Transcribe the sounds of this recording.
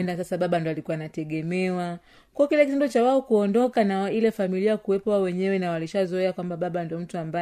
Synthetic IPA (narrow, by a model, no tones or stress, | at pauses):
ɛndasasaɓaɓandiɔalikuwanatɛɠɛmɛwa | kuɔkilakit̬indut͡ʃawaɔkuɔndɔkanailɛfamiliakuwɛpɔwaɔwɛɲɛwɛnawaliʃazɔɛakwambaɓaɓandiɔm̩tuamba